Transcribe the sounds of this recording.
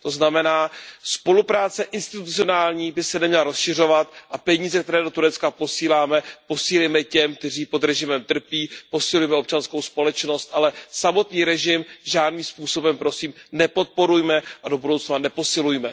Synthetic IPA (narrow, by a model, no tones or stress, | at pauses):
t̪o̞znamɛnaːspo̞lupɾaːt͡sɛʔɪnst̪ɪt̪ut͡sɪo̞naːlɲiːbɪsɛnɛmɲɛlaɾo̞sʃɪr̝o̞vat̪ʔapɛɲiːzɛk̚t̪ɛɾɛːdo̞t̪uɾɛt͡skapo̞siːlaːmɛpo̞siːlejmɛcɛmk̚t̪ɛriːpo̞d̪ɾɛʒɪmɛmt̪r̩piːpo̞sɪlujɛmɛo̞p̚t͡ʃansko̞wspo̞lɛt͡ʃno̞st̪ʔalɛsamo̞t̪ɲiːɾɛʒɪmʒaːdniːmspuːso̞bɛmpɾo̞siːmnɛpo̞t̪̚po̞ɾujmɛʔado̞budo̞wt͡snanɛpo̞sɪlujmɛ